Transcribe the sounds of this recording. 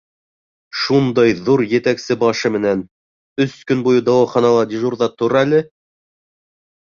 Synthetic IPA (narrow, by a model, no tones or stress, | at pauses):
ʃund̪ɑjðuɾjɘ̆t̪æksɘbɑʃɤmɘ̆næn | ɵskɵnbujɤd̪ɑwɑχɑnɑlˠɑd̪ʲiʒurðɑt̪ŏɾælɘ